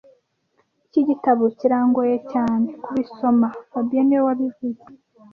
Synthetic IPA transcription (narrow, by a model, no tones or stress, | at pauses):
iciɟitaβociɾaːŋɡojecaːnekuβiso̞maabɟenewaβivuze